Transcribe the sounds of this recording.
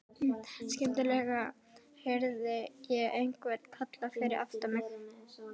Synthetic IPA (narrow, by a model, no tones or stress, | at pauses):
scɛmt̪ʏlɛɣa | hɛɾðɪjɛɣejŋkvɛɾt̪kʰat̪lafɪɾɪɾʔa̰ft̪amɪx